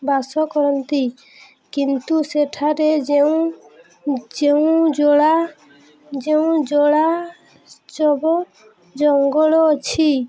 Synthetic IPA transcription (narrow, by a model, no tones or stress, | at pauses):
basɔkɔɾɔnt̪i | kint̪useʈʰaɾed͡ʒeũ | d͡ʒeũd͡ʒɔɽa | d͡ʒeũd͡ʒɔɽa | t͡ʃɔbɔ | d͡ʒɔŋɡɔɭɔːt͡ʃʰi